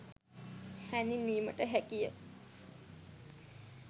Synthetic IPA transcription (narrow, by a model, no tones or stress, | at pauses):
hɛniniːmə̰ʈəɦɛkijə